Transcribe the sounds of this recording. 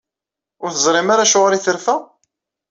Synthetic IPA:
ʊɾθəzˤɾˤɪmaɾaʃʊʁɾiθəɾfæ

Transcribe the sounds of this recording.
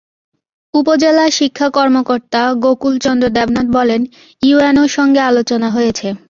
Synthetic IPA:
upod͡ʑelaʃikʰːakɔɾmokoɾt̪aɡokult͡ɕɔnd̪ɾod̪ɛbnat̪̚bɔlen | juenoɾʃɔŋɡealot͡ɕonaɦojet͡ɕʰe

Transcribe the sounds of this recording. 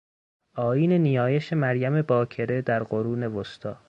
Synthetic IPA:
ɒːjiːnenijɒːjeʃemæɾjæme̞bɒːkʰe̞ɾed̪æɾɢoɾuːne̞vost̪ʰɒː

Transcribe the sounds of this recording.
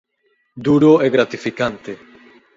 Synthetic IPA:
d̪uɾoeɣɾat̪ifikant̪e

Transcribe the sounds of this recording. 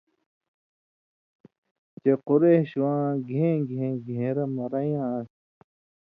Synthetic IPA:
t͡ɕequɾeɕwãːɡʱẽːɡʱẽːɡʱẽːɾɐmɐɾɐjãs

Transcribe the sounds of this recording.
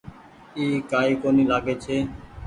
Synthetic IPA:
iːkaːiːkoːniːlaːɡeːt͡ʃʰeː

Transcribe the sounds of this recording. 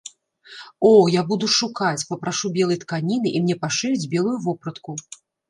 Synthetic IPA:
ɔjabud̪uʂukat͡sʲpɐpɾaʂubʲɛlˠɐjt̪kanʲinɨʔimnʲɛpaʂɛjud͡zʲbʲɛlˠujuvɔpɾɐt̪ku

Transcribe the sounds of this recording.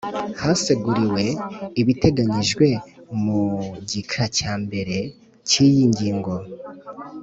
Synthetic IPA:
haseɡuɾiwe̞iβite̞ɡaɲiʒɡwe̞muɟikʰacaːmbe̞ɾe̞ | cijiɲɟiːŋɡo̞

